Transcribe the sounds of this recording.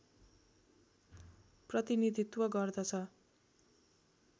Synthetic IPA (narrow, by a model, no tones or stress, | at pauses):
prʌt̪inid̪ʱit̪wʌɡʌrd̪ʌt͡sʰʌ